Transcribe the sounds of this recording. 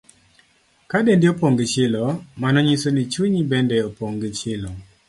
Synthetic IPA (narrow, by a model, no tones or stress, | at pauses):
kadendɪopoŋɡɪt͡ʃɪlɔmanɔɲisonit͡ʃwiɲibɛndɛopoŋɡit͡ʃɪlɔ